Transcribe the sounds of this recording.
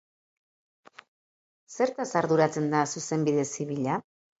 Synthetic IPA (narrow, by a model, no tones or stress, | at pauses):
se̞ɾt̪asaɾðuɾat͡se̞nd̪asuse̞mbiðe̞siβiʎa